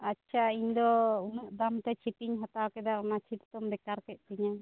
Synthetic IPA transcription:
atːt͡ʃʰaiɲd̪ɔunaʔd̪amt̪ɛt͡ʃʰip̪iɲɦat̪awkɛd̪aunat͡ʃʰit̪t̪ɔmbɛkaɾkɛʔ̚kiɲa

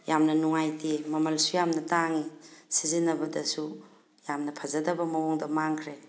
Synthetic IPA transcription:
jamnɐnuŋajtimɐmɐlsujamnɐtaŋisizinɐbɐdɐsu | jamnɐpʰɐzɐdɐbɐmɐwoŋdɐmaŋkʰɾe

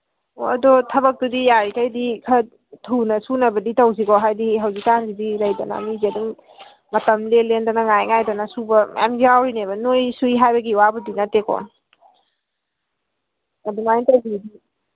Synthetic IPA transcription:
o̰ɐdɔtʰɐbɐk̚tudijaɾikʰajdikʰɐ | tʰunɐsunɐbɐditɐwzikɔɦajdiɦɐwzik̚tanzidilɐjdɐna̰miziɐduŋ | mɐtɐmlelendanɐŋajŋajdanɐsubɐma̰md͡ʒiawɾinebɐnojsuiɦajbɐɡiwabudinɐtekʰɔ̰ | ɐdumajntɐwdidi

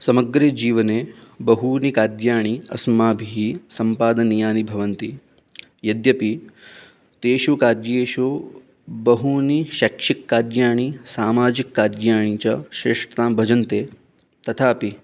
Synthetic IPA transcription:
sɐmɐɡɾeːd͡ʒiːʋɐneːbɐɦunikaːd̪jaːɳ̃iɐ̰smaːbʱiɦisɐmpaːd̪ɐnijaːnibʱɐʋɐnt̪i | jɐd̪jɐpi | t̪eːʃukaːɾjeːʃo | bɐɦuniʃakʂikːaːɾjaːɳ̃isaːmaːd͡ʒikːaːɾjaːɳ̃it͡ʃaʃɾeːʂʈɐt̪aːmbʱɐd͡ʒɐnt̪eː | t̪ɐt̪ʰaːpi

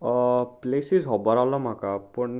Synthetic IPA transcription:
plesizɦɔbɔɾawlɔmakapuɳ

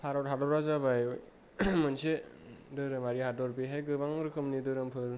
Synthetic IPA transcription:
pʰaɾɔtɦadɔɾazabajo | mɯnsedɯɾɯmaɾihadɔɾpeɦajɡɯbaŋɾɯkʰɯmnidɯɾɯmpʰɯɾ

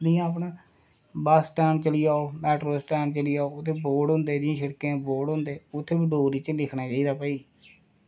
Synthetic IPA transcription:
nijãːəp̬ɳa | basʈɛːmt͡ʃəlijaːoːmɛːʈɾoːsʈɛːnt͡ʃəliːaːoːʊt̪ʰːeːboːɖɦʊ̃nd̪eːd̪ɪjãːʃəɽkẽːboːɖɦʊ̃nd̪eːʊt̪ʰːeːbəɖoːɾiːt͡ʃlɪkʰɳaːt͡ʃaːiːd̪aːpəiː

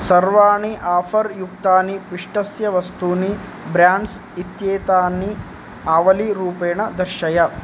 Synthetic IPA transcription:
sɐɾʋaːɳiʔaːfʰɐɾjukt̪aːnipiʂʈɐsjɐʋɐst̪uːni | bɾjaːɳɖs | it̪jeːt̪aːni | aːʋɐliɾuːpeːɳɐd̪ɐɾʃɐjɐ

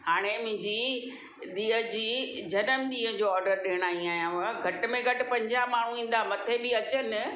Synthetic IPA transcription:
haːɽ̃emʊ̃ɦɪ̃ɲd͡ʑi | ɗ̪iːəd͡ʑiːd͡ʑɐnəmɗ̪iːə̃d͡ʑoːɔːɾɖəɾɗeːɽ̃aːĩaːɦjãɦəɡʱɐʈ̆mẽɡʱɐʈɪ̆pɐ̃ɲd͡ʑaɦmaːɳ̤uĩːn̆d̪aːmɐt̪ʰebɪɐt͡ɕənɪ̆

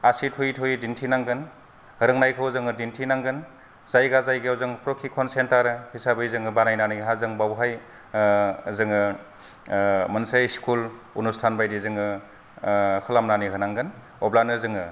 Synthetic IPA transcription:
asitʰujtʰujdintʰinaŋɡɯn | hɯɾɯŋnajkʰɯwzɯŋɯdintʰinaŋɡɯn | z̥ajɡazajɡeawzɯŋpɾokʰikʰɔnsentaɾɯhʰisabɯjzɯŋɯbanajnanijɦazɯŋbawɦaj | zɯŋɯ | mɯnsajskʰul | unustʰanbajdizɯŋɯ | kʰɯlamnaniɦɯnaŋɡɯn | ɔblanɯzɯŋɯ

